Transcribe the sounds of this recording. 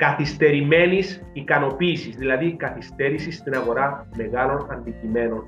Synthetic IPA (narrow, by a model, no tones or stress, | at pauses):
kɐθist̪e̞ɾime̞nis | ikɐno̞piːsizðilɐðikɐθist̪e̞ɾisist̪inɐɣo̞ɾɐme̞ɣɐlo̞nɐnd̪icime̞no̞n